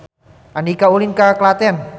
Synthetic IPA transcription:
ʔandikaulinkaklat̪ɛan

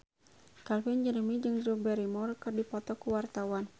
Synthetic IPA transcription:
kalfind͡ʒənəmid͡ʒɨŋdɾubɛɾimɔrkərdipɔt̪ɔkuwart̪awan

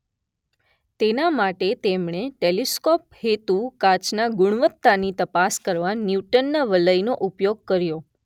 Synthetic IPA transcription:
t̪enamaʈet̪emɳ̃eʈeliskɔp̚het̪ukat͡ʃnaɡʊɽ̃ʋət̪ːanit̪əpaskəɾʋanjuʈənːaʋələjnoʔupjoɡ̚kəɾjo

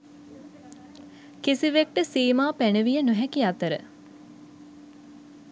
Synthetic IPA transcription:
kisiʋek̚ʈəsiːmaːpænəʋijənuɦɛkiat̪əɾə̰

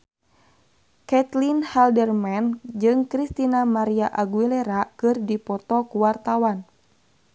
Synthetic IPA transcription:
kɛt̪linhaldərmand͡ʒɨŋkɾist̪inamaɾiaʔaɡuilɛɾakɨrdipɔt̪ɔkuwart̪awan

